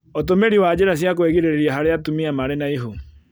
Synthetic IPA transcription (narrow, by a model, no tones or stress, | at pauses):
otomeɾiwad͡ʑeɾas̬jak̬weɣiɾeɾeɾiaɦaɾeatumiamaɾenaiɦo